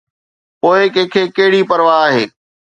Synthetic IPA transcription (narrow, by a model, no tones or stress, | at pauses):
poːɪkɛ̃ːkʰeːkɐɦɪɽipɐɾʋaaːɦeː